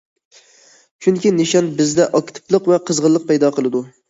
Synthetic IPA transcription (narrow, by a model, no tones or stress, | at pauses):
t͡ʃʰyŋkʲinɪʃɑnbɪzd̪ɛʔɑkt̪ʰɨ̥plˠəqvɛqʰəzʁəlˠːəq̚pɛjd̪ɑqəlˠɨd̪u